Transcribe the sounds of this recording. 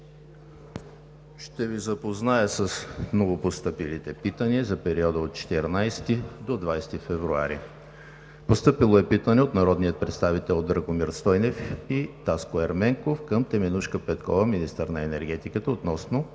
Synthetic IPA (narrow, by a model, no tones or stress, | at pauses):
ʃt̪ɛvizɐpoznaəsəsnovopost̪ɤpilit̪ɛpit̪əniəzɐpɛɾiɔd̪əot̪̚t͡ʃɛ̥t̪ɛɾnajst̪id̪od̪vajst̪ifɛvɾua̰ɾḭ | post̪ɤpilˠoɛpit̪ənɛot̪nɐɾɔd̪nijət̪̚pɾɛt̪st̪avit̪ɛlˠod̪ːɾəɡomiɾst̪ɔjnɛfit̪askʊɛɾmɛŋkofkəmt̪ɛmɛnuʃkəpɛt̪kɔvəminist̪əɾnɐɛnɛɾɡɛt̪ikət̪əot̪nɔsno